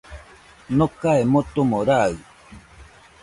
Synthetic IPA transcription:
nokaemot̪omoɾaɯ

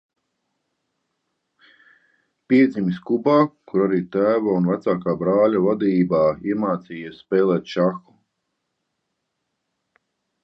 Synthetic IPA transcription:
piɛd̪zimiskubaːkuɾaɾiːt̪æːvaunvæt̪saːkaːbɾaːlʲavad̪iːbaːiɛmaːt̪siːjaspɛːlˠɛːt̪ʃaxu̥

